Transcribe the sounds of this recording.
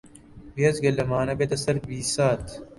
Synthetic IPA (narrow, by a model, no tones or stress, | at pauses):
biɐzɡɐlːɐmaːnɐbet̪ɐsɐɾbiːsaːt̪